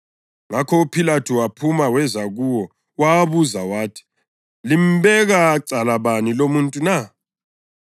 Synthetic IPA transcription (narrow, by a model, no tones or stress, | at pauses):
ŋakʰɔupʰilatʰuwapʰumawɛzaɣuwɔ | waβuzawaːtʰi̥ | lim̩bɛɣaǀalaβanilomuntʼuna